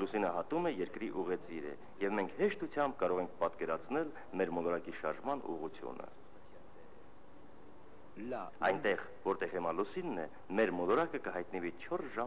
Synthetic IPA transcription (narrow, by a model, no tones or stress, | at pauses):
lusinəɦɑt̪umɛjɛɾkɾiʔuʁɛt͡siɾə̰ | jɛvmɛŋkʰhɛʃt̪ut͡sʰjɑmb̚kɑɾɔʁɛŋk̚ʰpɑt̪kɛɾɑt͡sʰnɛl | mɛɾmɔlɔɾɑkiʃɑɾʒmɑnṵʁut͡sʰjṵnə̰ | ɑ̰jnt̪ɛʁ | vɔɾt̪ɛʁɛmɑlusinːɛ | mɛɾmɔlɔɾɑkəkəɦɑjt̪nəvit͡ʃʰɔɾsʒɑ